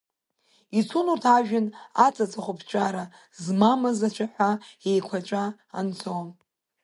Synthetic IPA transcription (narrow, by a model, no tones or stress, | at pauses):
it͡sʰulurtʰaʒᶣɪnat͡sʼat͡sʼaχʷʊpʰt͡ʃʷʼaɾa | zmamɨzat͡ʃʷʰaħʷaejkʷʰat͡ʃʷʼa | a̰nt͡sʰʼo